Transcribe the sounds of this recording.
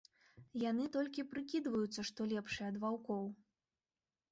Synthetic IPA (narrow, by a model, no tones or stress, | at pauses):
janɨt̪ɔlʲkʲipɾɨkʲid̪vɐjut̪sːɐʂt̪ɔlʲɛpʂɨjɐd̪vawkɔw